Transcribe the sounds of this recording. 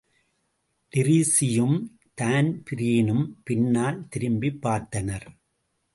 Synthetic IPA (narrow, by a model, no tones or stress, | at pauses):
ɖɪɾisɪjɯm | t̪aːnpɪɾiːnɯmpɪnːaːlt̪ɪɾɯmbipːaːɾt̪ɐnɐɾ